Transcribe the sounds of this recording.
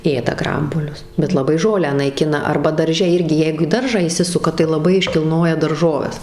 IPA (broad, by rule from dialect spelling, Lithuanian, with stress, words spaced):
ˈeːdɐ ˈɡrɐmbuɔlʲʊs bʲɛt lˠɐˈbɐɪ ˈʒoːlʲæː nɐɪˈkʲɪnɐ ˈɐrbɐ dɐrʲˈʒʲɛ ˈɪrʲɡʲɪ ˈjɛɪɡʊ iː ˈdɐrʒɑː iːˈsʲɪsʊkɐ tɐɪ lˠɐˈbɐɪ ɪʃʲkʲɪlˠˈnoːjɛ dɐrˈʒoːʋʲɛs